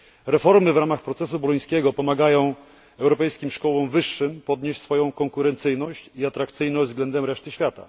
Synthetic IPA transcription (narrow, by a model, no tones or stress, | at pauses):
ɾɛfɔɾmɘvɾamaxpɾɔt̪sɛsubɔlɔj̃skʲɛɡɔpɔmaɡajɔ̃w̃ | ɛwɾɔpɛjskʲimʂkɔwɔ̃w̃vɘʂːɘmpɔd̪ɲeɕt͡ɕsfɔjɔ̃w̃kɔŋkuɾɛnt̪sɘjnɔɕt͡ɕiat̪ɾakt̪sɘjnɔ̃vzɡlɛnd̪ɛmɾɛʂt̪ɘɕfʲjat̪a̰